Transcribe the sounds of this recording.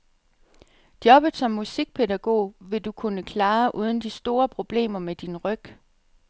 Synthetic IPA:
d̥jɒ̽b̥ð̩ˠsɒ̽mːusiɡ̥̚pʰe̝dæɡ̥o̝̰ːʋe̝d̥ukʰunəkʰlɑ̈ːʔuːð̞ˠən̩d̥isd̥o̝ːɐpʰʁo̝b̥le̝̰ːmɐmed̥inʁœɡ̥

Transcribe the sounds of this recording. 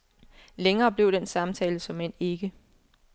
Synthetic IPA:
leŋɐːb̥le̝ʊ̰d̥ensɑ̈mt͡sʰɛːləsɒ̽men̰e̝ɡ̥ə

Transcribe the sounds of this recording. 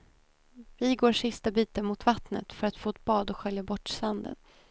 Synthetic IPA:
vɪɡoːʂɪst̪abiːt̪əmʊt̪vat̪nə̰t̪fœɾat̪foːɛt̪̚b̥ɑːd̪ɔɧœljabɔʈːsand̪ə̰n

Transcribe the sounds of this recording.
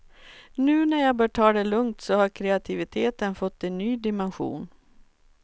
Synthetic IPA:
nʉ̟ːnæɾjabœːʈʰɑːd̪ɛlɵŋt̪sɔhaɾkʰɾɛat̪ʰɪvɪt̪ʰeːt̪ənfɔt̪ːɛnːyːd̪ɪmɛnɧṵːn

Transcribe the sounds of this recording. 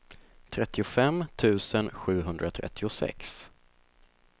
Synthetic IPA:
t̪ʰɾɛt̪ʰːɪʊfɛmt̪ʰʉ̟ːsənɧʉ̟ːɦɵnd̪ɾat̪ʰɾɛ̰t̪ʰːɪʊsɛ̰ks

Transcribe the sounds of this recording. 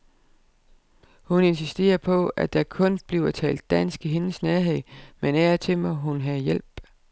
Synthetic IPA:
hune̝nsisd̥e̝̰ːɐpʰɒ̽æd̥ækʰɔ̽nb̥liʊɐt͡sʰɛ̰ːld̥ːæn̰sɡ̥iɦe̝nəsnæɐɦe̝ð̰ˠmenæɐt͡sʰe̝mɒɦunɦæjel̰b̥

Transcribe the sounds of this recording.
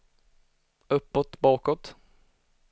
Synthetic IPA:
ɵpːɔt̪bɑːkɔt̪

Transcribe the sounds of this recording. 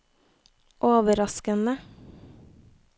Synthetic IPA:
ʔoːʋəɾɑskənə

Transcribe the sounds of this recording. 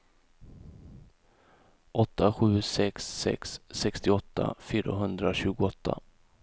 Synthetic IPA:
ʔɔt̪ːaɧʉ̟ːsɛksːɛ̰ksːɛkst̪ɪɔt̪ʰːa̰fyːɾa̰ɦɵnd̪ɾaɕʉ̟ːɡʊɔt̪ːa̰

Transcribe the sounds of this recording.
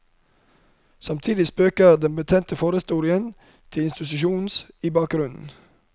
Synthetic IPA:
sɑmt̪ʰiːd̪ɪspøːkəɾd̪ɛnbət̪ʰɛnt̪əfoːɾəst̪uːɾɪən | t̪ʰɪlɪnst̪ɪt̪ʉʃuːns | iːbɑːk̚ɡɾʉnn̩

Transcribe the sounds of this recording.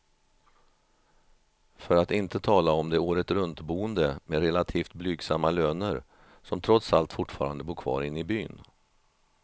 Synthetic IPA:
fœɾat̪ɪnt̪ət̪ʰɑːlaɔmd̪ɛoːɾət̪ɾɵnt̪buːənd̪əmɛɾɛlat̪ʰiːft̪̚blyːɡsamːaløːnəɾ | sɔmt̪ʰɾɔt̪salt̪fʊʈːfɑ̰ːɾa̰nd̪əbuːɾkʰvɑ̰ːɾɪnːɪbyːn

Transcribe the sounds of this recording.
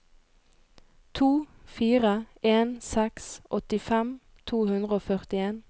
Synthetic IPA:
t̪ʰuːfiːʁəeːnsɛksʔɔt̪ɪfɛm | t̪ʰuːhʉnd̪ʁəoːfœʁt̪ɪeːn

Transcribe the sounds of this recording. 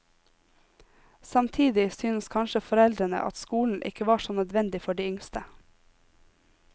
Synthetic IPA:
sɑmt̪ʰiːd̪ɪsyːnəskʰɑnʃəfɔɾɛld̪ɾənə̰ʔɑ̰t̪skuːln̩ʔɪ̰kəʋɑːʃoːnœd̪ʋɛnd̪ɪfɔɖiːʏŋst̪ə

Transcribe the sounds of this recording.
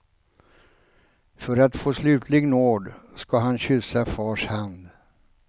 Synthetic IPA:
fœɾat̪foːslʉ̟ːt̪ʰlɪɡnoːɖskaɦanɕʏsafɑːʂhand̪

